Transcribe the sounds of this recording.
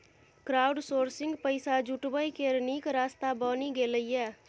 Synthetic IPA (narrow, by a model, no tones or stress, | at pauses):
kɾaːʊɖsoːɾsɪŋɡpəɪsad͡ʒuʈbəjkeɾnikɾaːst̪abɔniɡeləijɛː